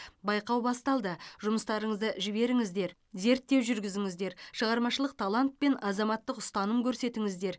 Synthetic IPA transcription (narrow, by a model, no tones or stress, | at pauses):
bɑjqɑwbɑst̪ɑlˠd̪əʒʊməst̪ɑɾəɴəzd̪əʒɪbe̞ɾɪŋɪzd̪e̞ɾ | ze̞ɾt̪ːe̞wʒʏɾɡʲɪzɪŋɪzd̪e̞ɾʃəʁɑɾmɑʃəlˠəq̚t̪ʰɑlˠɑnt̪̚pe̞nɑzɑmɑt̪ːəqʊst̪ɑnəmkʲʰɵɾse̞t̪ɪŋɪzd̪e̞ɾ